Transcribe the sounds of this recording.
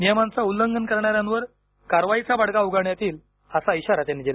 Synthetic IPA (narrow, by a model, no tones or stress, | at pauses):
nijəmant͡saulːəŋɡənkəɾɳaɾjãnʋəɾ | kaɾʋait͡sabaɽkauɡaɳjat̪iːl | əsaiɕaɾat̪anid͡ʑila